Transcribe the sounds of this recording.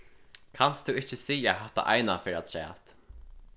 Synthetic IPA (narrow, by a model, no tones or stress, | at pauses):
kʰanst̪uɪht͡ʃːəsiːjaɦɛht̪ːa̰ʔa̰jnafɪːɾad̪sɛ̰ːt̪